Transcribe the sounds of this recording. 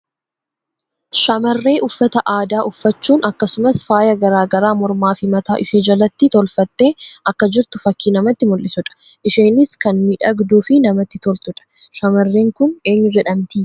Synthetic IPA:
ʃɐmɐrːe̞ːʔʊfːɐt̪ɐʔaːd̪aːʔʊfːɐt͡ʃːuːnʔɐkːɐsʊmɐsfaːjɐɡɐɾaːɡɐɾaːmɔɾmaːfɪmɐt̪aːʔɪʃeːd͡ʒɐlɐt̪ːɪt̪ɔlfɐt̪ːe̞ːʔɐkːɐd͡ʒɪɾt̪ʊfɐkːiːnɐmɐt̪ːɪmʊlːɪsʊᶑɐ̥ʔɪʃe̞ːnɪskɐnmiːᶑɐɡd̪uːfɪnɐmɐt̪ːɪt̪ɔlt̪ʊᶑɐ̥ʃɐmɐrːeːŋkʊne̞ːɲːʊd͡ʒɛᶑɐmt̪iː

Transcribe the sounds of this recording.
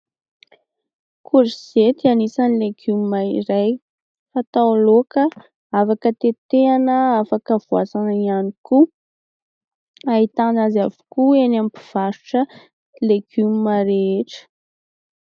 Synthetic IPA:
kʰuɾizet̪ianisanileɡymmaiɾaj | fat̪aloka | afakət̪et̪eanəafakəvuasanəianiku | aɦit̪anazavu̥kuenampi̥v̥aɾuʈ͡ʂə | leɡ̥ymimaɾeeʈ͡ʂə̥

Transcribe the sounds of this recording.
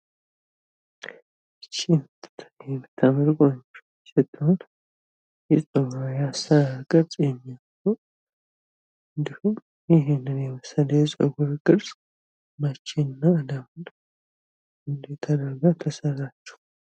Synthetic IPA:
t͡ʃːint̪jɛmːɨt̪ʰːaməɾɡaɲː | sət̪ʰʼːəhon | jɛsʼəɡajasəɾaɡəɾt͡sʼjɛmːijamɡo | ɨnd̪ihum | jɪɦenɨnjɛməsələjɛsʼəɡoɾɡ̥əɾsʼ | mat͡ʃːɪnɨnːad̪amɨn | ɨnd̪et̪ʰːad̪əɾɡat̪ʰəsərːat͡ʃːɛ̥

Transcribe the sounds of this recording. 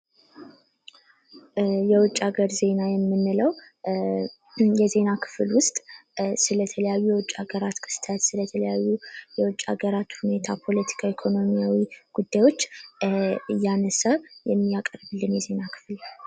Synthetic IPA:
jɛwʊt͡ʃʼːaɡəɾze̞najɛmːɨnːɨləw | jɛze̞nakʰɨ̥flwʊst̪ʼsɨlət̪ʰələjajːujɛwʊt͡ʃʼaɡəɾat̪kʰɨ̥st̪ʰət̪sɨlət̪ʰələjajːujɛwʊt͡ʃʼːa̰ɡəɾat̪hune̞t̪ʰa̰pʰo̞lət̪ʰi̥kʰaikʰo̞no̞mijawiɡ̥ud̪ːajwo̞t͡ʃː | ɨjanəsəjɛmːijakʼərbɨlːɨnjɛze̞nakʰɨ̥fl

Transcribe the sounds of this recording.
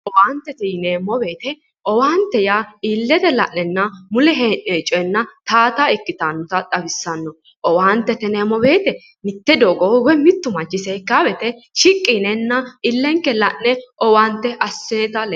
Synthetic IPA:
ʔɔwaːnt̪ːɛt̪ɛneːmːɔbe̞ːt̪ɛ | ɔwaːnt̪ːɛjaːiːlːɛt̪ɛlɐ̰ʔnɛnːɐmʊlɛɦeːʔɛt͡ʃʼɔɛnːɐt̪aːt̪aɪkːɪt̪anːɔt̪ɐt̪ʼɐbɪsːɐnːɔ | ʔɔwaːnt̪ːɛt̪ɛneːmɔbe̞ːt̪ɛ | nɪt̪ːɛd̪oːɡowɛmɪt̪ːʊmɐd͡ʒːɪsɛːkːaːbɛt̪ɛʃɪkʼːinɛnːɐɪlːɛŋkːɛlɐʔːɛɔwaːnt̪ːɛʔɐsːeːt̪ɐl

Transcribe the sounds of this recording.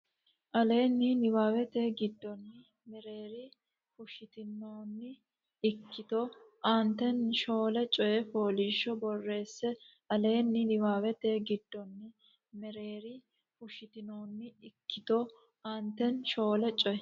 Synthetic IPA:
ʔɐle̞ːnːɪnɪwaːwɛt̪eːɡɪd̪ːɔnːɪ | mɛɾe̞ːɾɪ | fʊʃɪt̪ɪnːoːnːɪ | ɪkːɪt̪oʔant̪ɛnʃo̞ːlɛt͡ʃʼɔjɛfoːliːʃːɔbɔrːe̞ːsːɛ | ʔɐle̞ːnːɪnɪwaːwɛt̪e̞ːɡɪd̪ːɔnːɪ | mɛɾe̞ːɾɪ | fʊʃɪt̪ɪnoːnːɪɪkːɪt̪o | ʔant̪ɛnʃo̞ːlɛt͡ʃʼɔjɛ

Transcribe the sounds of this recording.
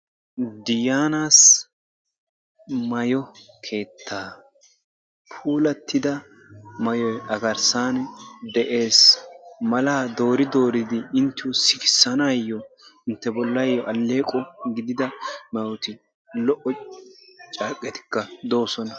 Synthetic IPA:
d̪ɪjaːnaːs | mɐjɔkʰe̞ːt̪ʰːaː | pʰuːlɐt̪ʰːɪd̪ɐ | mɐjɔjɐɡɐɾsaːnd̪ɛʔe̞ːsmɐlaːd̪oːɾɪd̪o̞ːɾɪd̪ɪɪnt̪ːɪwʊsɪkɪ̥sːɐnaːjːɔɪnt̪ːɛbɔlːɐjɔʔɐlːe̞ːkʼɔɡɪd̪ɪd̪ɐmɐwt̪ɪ | lɔʔɔ | t͡ʃʼaːkʼːɛt̪ɪ̥kːɐd̪o̞ːsɔnɐ

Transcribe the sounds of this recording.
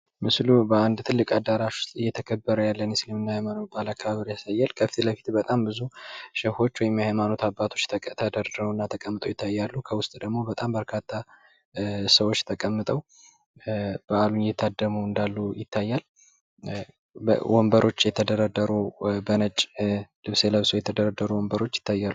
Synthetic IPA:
mɨslubəand̪t̪ʰɨlːɨkʼad̪ːaɾaʃwʊ̥st̪ʼɨjːɛt̪ʰəkʰəbːəɾəjalːənɨslimɨnːahajmano̞t̪̚balakːaβaβɨɾijasajːalkʰəfit̪ʰeləfi̥t̪bət̪ʼambɨzuʃəho̞t͡ʃːwɔjɛmːjajmano̞t̪abːat̪ʰo̞t͡ʃːt̪ʰəd̪əɾd̪mnːat̪ʰəkʼəmːɨt̪ʼəwjɪt̪ʰːajːalːukʰəwʊst̪ʼd̪əɡmo̞bət̪ʼambəɾkʰat̪ʰːa | səwot͡ʃːt̪ʰəkʼəmːɨt̪ʼəw | b̥əalunjɛt̪ʰːad̪ːəmuɨnd̪alːujɪt̪ʰːajːal | wɔmbəɾo̞t͡ʃːjɛt̪ʰəd̪əɾad̪ːəɾubənət͡ʃʼlɨβseləβsojɛt̪ʰəd̪əɾad̪ːəɾuwɔmbəɾo̞t͡ʃːjɪ̥t̪ʰːajːalːu

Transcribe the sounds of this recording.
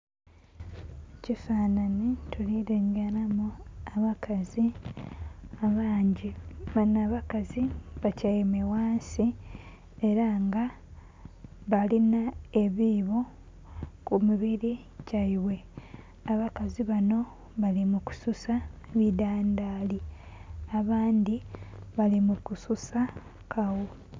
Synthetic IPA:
cifaːnanitʰuliɾeŋɡeɾamuaβakʰazi | aβaːɲɟiβanaːβakaziβacajemewaːnsi | e̞ɾaŋɡa | βalinae̞βiːβo̞ | kumiβiɾi | caiwe̞ | aβakaziβano̞ | βalimuku̥susaβidaːndaːli | aβaːndiβalimukususa | kʰawo

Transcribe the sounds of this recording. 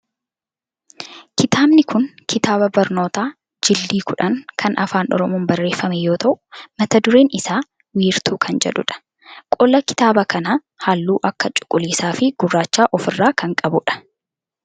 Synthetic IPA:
kɪt̪aːbnɪkʰʊnkʰɪt̪aːbɐbɐɾno̞ːt̪aː | d͡ʒɪlːiːkʊᶑɐŋkʰɐnʔɐfaːnʔɔ̰ɾɔmuːmbɐrːe̞ːfːɐmɛjo̞ːt̪ɐʔʊ̥mɐt̪ɐd̪ʊɾe̞ːnɪsaː | wiːɾt̪ʰuːkʰɐnd͡ʒɛ̰ᶑʊ̰ᶑɐ̥ | kʼɔlɐkɪ̥t̪aːbɐkɐnɐ | haːlːuːʔɐkːɐt͡ʃʼʊ̥kʼːʊliːsaːfɪɡ̥ʊrːaːt͡ʃːaːʔɔfɪrːaːkɐŋkʼɐbʊᶑɐ̥

